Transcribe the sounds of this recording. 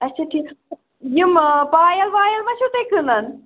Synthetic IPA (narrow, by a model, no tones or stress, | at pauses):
ɐtːt͡ʃʰaʈʰiːk | jɨmpaːjɐlʋaːjɐlmɐʃut̪ekɨnɐn